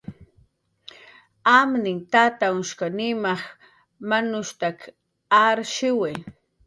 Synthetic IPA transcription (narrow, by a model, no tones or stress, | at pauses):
amnɪŋt̪at̪aŋʊʃkanɪmaχ | manʊʃt̪ak | aɾʃɪwe